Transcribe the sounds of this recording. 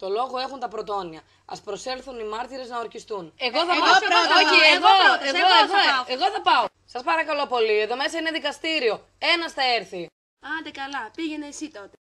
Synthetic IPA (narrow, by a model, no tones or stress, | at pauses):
t̪o̞lo̞ɣo̞e̞xunt̪ɐpɾo̞t̪o̞niɐ | ɐspɾo̞se̞lθunimɐɾt̪iɾe̞znɐo̞ɾçist̪uneɣoθɐmɐoeɣoeoeɣoeɣo̞θɐpɐo | sɐspɐɾɐkɐlo̞po̞lieðo̞me̞sɐine̞ðikɐst̪iɾio̞ | e̞nɐsθɐe̞ɾθi | ɐnd̪ekɐlɐpiʝeneːsit̪ot̪e